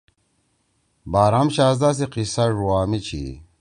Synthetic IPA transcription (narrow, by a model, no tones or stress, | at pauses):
baːɾamɕaːzd̪as̬iqisɐʐuaːmit͡ɕʰḭ